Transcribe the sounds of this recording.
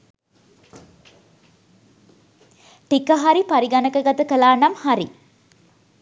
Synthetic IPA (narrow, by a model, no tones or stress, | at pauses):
ʈikɐɦɐɾipɐɾiɡɐnɐkɐɡɐt̪ɐkɐlaːnɐmhɐɾḭ